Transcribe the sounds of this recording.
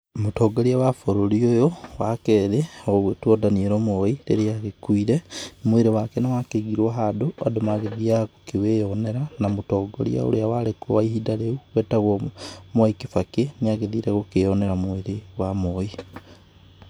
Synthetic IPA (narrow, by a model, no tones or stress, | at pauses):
mutoːɡoɾiawafoɾoliojowakeðeoɣetuodaniɾomoiɾeɾiaɣekuiɾemweɾewakenawakeɡiɾwaɦadoa̰domaɣeðiakokiwejoneɾanamutoːɡo̰lḭa̰o̰ɾeawalekoaihidaɾeuwetaɣomwoikifakeniaɣeðiɾeɣokejoneɾamweɾewamoi